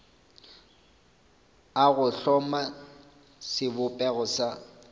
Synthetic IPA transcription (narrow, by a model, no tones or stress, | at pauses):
aɣʊɬɔma | sɪbʊpʼɛɣʊsa